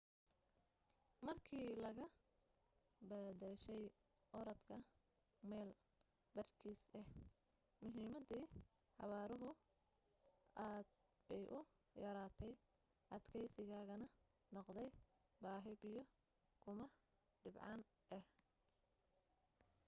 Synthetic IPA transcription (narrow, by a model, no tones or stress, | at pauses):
mɐrkʰiːlɐɣɐ | bɐd̪ɛʃɛj | ʔɔɾɐt̪kʰɐ | mɛːl | bɐrkʰiːsɛh | mʊɦiːmɐd̪iː | ħɑ̰βaːɾʊɦʊ | ʔaːd̪̚ | b̥ɛjʔʊ | jɐɾaːt̪ʰɛj | ʔɐd̪kʰɛjsɪɣaːɣɐnɐ | nɔqd̪ɛj | baːɦɪβijɔ | kʰʊmɐ | ɖɪbʕɑ̰n | ʔɛh